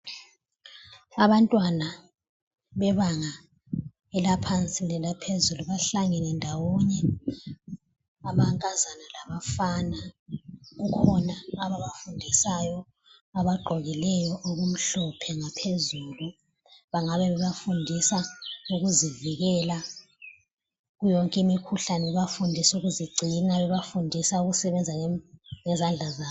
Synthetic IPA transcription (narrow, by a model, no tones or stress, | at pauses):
aβantʼwana | βɛβaŋa | ɛlapʰant͡sʼilɛlapʰezuluβaɬaŋɛnɛndʱawɔɲɛ | aβaŋkʼazanalaβafana | ɣukʰɔnaːβaβafundʱisajɔ | aβaɡ͡ǃʱɔɣilɛjɔʔoɣum̩ɬɔpʰɛŋapʰezulu | βaŋaβɛβɛβafundʱisauɣuziviɣɛla | ɣujɔŋkʼimikʰuɬanɛβafundʱisuɣuziɡ͡ǀʱinaβɛβafundʱisauɣusɛβɛnd͡zʱaŋɛzand͡ɮʱazaː